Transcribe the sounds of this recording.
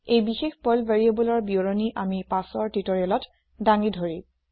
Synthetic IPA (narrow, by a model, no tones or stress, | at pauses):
ejbixexpɔlbaɹiebɔlɔɹbioɹoniʔamipasɔɹtitɔɹɛlɔt | daŋidʱoɹi